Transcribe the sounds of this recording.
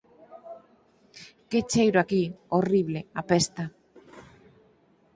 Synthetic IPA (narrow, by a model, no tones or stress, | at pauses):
ket͡ʃejɾoakioriβleapest̪a